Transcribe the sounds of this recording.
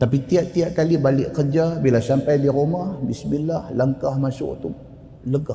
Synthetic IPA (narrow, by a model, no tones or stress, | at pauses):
t̪apit̪iaʔt̪iaʔkalibalɪʔkərd͡ʒabilasampajdiɾumahbismilahlaŋkahmasṵʔt̪u | ləɡa